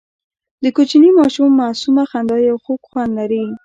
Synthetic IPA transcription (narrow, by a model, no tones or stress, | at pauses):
d̪əkot͡ʃinimɑʃumːasumaxand̪ɑjawxokxwand̪laɾi